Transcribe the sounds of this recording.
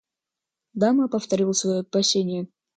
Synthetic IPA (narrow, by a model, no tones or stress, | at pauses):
d̪aməpəft̪ɐɾʲilˠsvɐjopɐsʲenʲɪjə